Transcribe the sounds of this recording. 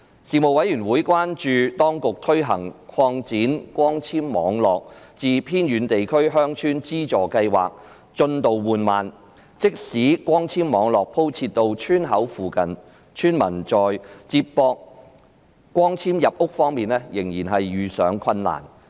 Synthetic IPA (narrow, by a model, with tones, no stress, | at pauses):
siː˨mo˨wɐ˨˥jyː˨˩nwuː˨˥jkʷwaː˥nt͡ʃyː˨˧t̪ɔː˥ŋkʊ˨k̚t̪ʰɵ˥ɦɐ˨˩ŋkʷʰɔː˧ŋt͡siː˨˥nkʷɔː˥ŋt͡sʰiː˥mːɔː˨˥ŋlɔː˨k̚t͡siː˨˧pʰiː˥njyː˨˧nt̪e˨jkʰɵ˥ɥɦœː˥ŋt͡ʃʰyː˥nt͡siː˥t͡sɔː˨˩kɐ˧jwa̰ː˨k̚ | t͡ʃɵ˧nt̪o˨wwuː˨nmaː˨n | t͡sɪ˥k̚siː˨˥kʷɔː˥ŋt͡sʰiː˥mmɔː˨˧ŋlɔː˨k̚pʰo˥wt͡sʰiː˧tt̪ːo˧wt͡ʃʰyː˥nɦɐ˨˥wfuː˨kɐ˨n | t͡ʃʰyː˥nmɐ̰˨˩nt͡ʃɔː˨jt͡siː˧p̚pɔː˧k̚ | kːʷɔː˥ŋt͡sʰiː˥mjɐ˨p̚ʊ˥k̚fɔː˥ŋmiː˨nlɛː˥jɪ˨˩ŋjiː˨˩nɦɐ˨jɥyː˨˩sœː˨˥ŋkʰɐ˧nla̰ː˨˩n